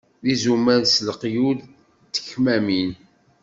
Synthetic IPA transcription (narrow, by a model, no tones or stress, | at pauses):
ðizumæðsləqjul | t̪ːə̥çmæmin